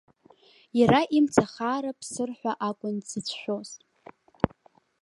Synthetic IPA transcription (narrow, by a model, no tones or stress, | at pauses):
jaɾaʔimt͡sʰaχaːɾapʰsɨrħʷaʔakʷʼʊnzɨt͡sʷʰʃʷᶣo̞ztʼ